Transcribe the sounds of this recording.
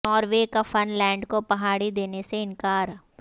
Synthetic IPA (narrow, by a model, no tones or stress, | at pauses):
ɔːɾʋekafɐnlɛ̃ːɳɖkopɐɦaːɽid̪eːneseɪ̃nkaːɾ